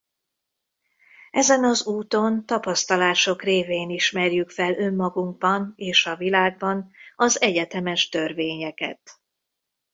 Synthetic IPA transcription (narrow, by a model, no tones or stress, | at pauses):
ɛzɛnɒzuːt̪o̞nt̪ɒpɒst̪ɒlaːʃo̞kreːveːniʃmɛrjykfɛlø̞mːɒɡuŋɡ̚bɒneːʃɒvilaːɡ̚bɒnɒzɛɟɛt̪ɛmɛʃt̪ø̞rveːɲɛkɛ̰t̪